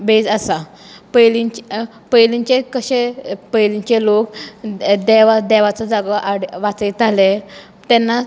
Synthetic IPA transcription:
bed͡zasa | pəjlit͡ɕ | pəjliɲt͡ɕekəɕepəjliɲt͡ɕelok | d̪ɛʋad̪ɛʋat͡sɔd͡zaɡʔaɽʋat͡səit̪ale | t̪ɛnːa

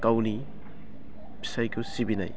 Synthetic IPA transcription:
kawni | bʰi̥sajkʰusibina̰j

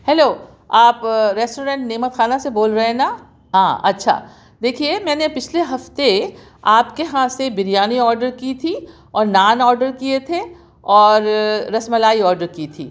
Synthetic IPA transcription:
hɛːloː | aːpɾɛːsʈoːɾẽːɳʈneːmət̪xaːnaseboːlɾɐɦena | ɦã̰ːʔɐ̰tːʃʰa̰ː | d̪eːkʰiemɛ̃ːnepɪt͡ʃʰleɦɐft̪e | aːpkeɦãsebɪɾijaːniɔːɾɖəɾkit̪ʰi | ɔːɾnaːnɔːɾɖəɾkiet̪ʰe | ɔːɾːɐsməlaːiɔːɾɖəɾkiːt̪ʰiː

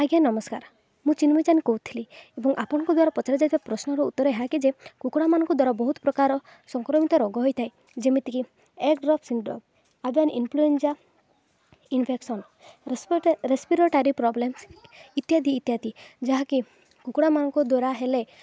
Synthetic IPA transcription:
aɡanɔmɔskaɾ | mũt͡ʃinmɔt͡ʃanikɔɦut̪ʰiliebɔŋʔapɔɽ̃ɔŋkɔd̪waɾapɔt͡ʃaɾɔd͡ʒajt̪ʰibapɾɔsnɔɾɔut̪ːɔɾɔɦeɦakid͡ʒekukɽamanɔ̃ŋkɔd̪waɾabɔɦut̪ɔ̥pɾɔkaɾɔ | sɔŋkɾɔmit̪ɔɾɔɡɔɦɔjt̪ʰaj | d͡ʒemit̪iki | ekɖɾɔpʰsinɖɾɔ̰m | abanʔinpʰluensa | inpʰeksɔn | ɾespiɾɔʈaɾipɾɔblemsit̪jad̪iːt̪jad̪id͡ʒaɦaki | kukɽamanɔŋkɔd̪waɾaɦele

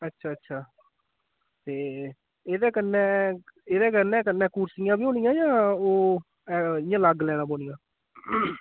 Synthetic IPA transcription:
ətːʃʰaːətːʃʰaː | t̪eː | eːd̪eːkənːɛ̃ːeːd̪eːkəɾnɛ̃ːkənːɛ̃ːkuːɾsɪjãːbiːoːɽɪjãːjãːoː | ɪjãːləɡlɛːɽaːboːɽijãː

